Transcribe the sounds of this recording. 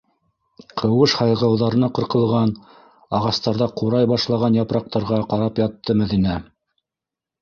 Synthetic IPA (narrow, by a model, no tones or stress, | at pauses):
qʰɤ̆wɤʃhɑjʁɑwðɑɾɤ̆nɑqɤ̆ɾqɤ̆lˠʁɑn | ɑʁɑst̪ɑɾðɑquɾɑjbɑʃlˠɑʁɑnjɑpɾɑq̚t̪ɑɾʁɑqɑɾɑpjɑt̪ːɤmæðinæ